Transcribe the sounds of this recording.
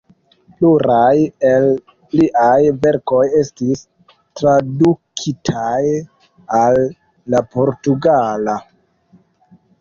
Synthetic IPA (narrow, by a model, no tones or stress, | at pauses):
pluɾajel | liʔajve̞ɾko̞je̞stis | tɾadukʰitʰaj | alː | apo̞ɾtuɡala